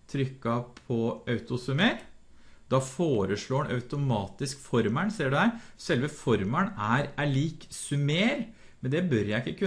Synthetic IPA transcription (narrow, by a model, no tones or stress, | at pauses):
t̪ʰɾʏkːɑpʰɔʔɑʉt̪ʊsʉmeːɾ | d̪̥ɑfoːɾəʂɭoːənʔɑ̰ʉt̪ʊmɑːt̪ɪskfɔɾməɳsiːɖɛæɪsɛlʋəfɔɾməɳæɾæɭiːksʉmeːɾ | mɛnd̪ɛbœɾjæɪɪkːəkʰʉ